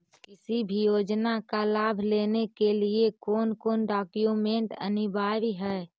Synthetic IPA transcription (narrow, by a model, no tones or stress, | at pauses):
kɪsibʱijoːd͡ʒnakalaːbʱleːnekeliekoːnkoːnɖaːkjumẽɳʈə̰nɪbʱaːɾiɦɛː